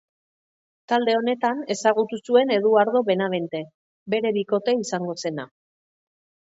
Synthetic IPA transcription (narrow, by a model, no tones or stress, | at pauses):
t̪ald̪e̞o̞ne̞t̪ane̞saɣ̞ut̪usue̞ne̞ðuaɾðo̞βe̞naβe̞nt̪e̞ | be̞ɾe̞βiko̞t̪e̞isaŋɡo̞se̞na